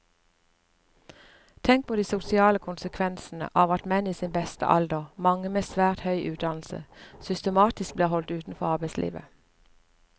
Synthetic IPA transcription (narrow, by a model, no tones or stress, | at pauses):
t̪ʰɛŋk̚pʰoːd̪iːsʊsɪɑːləkʰʊnsəkʰʋɛnsn̩ə̰ʔɑːʋɑt̪mɛniːsiːnbɛst̪ə̰ʔɑ̰ld̪əʁmɑŋəmeːsʋæːʁt̪hœʏʔʉːt̪̚d̪ɑnl̩sə̰sʏst̪əmɑːt̪ɪsk̚bliːʁhɔlt̪ʉːt̪n̩fɔʁɑːbæɪslʔḭːʋə̰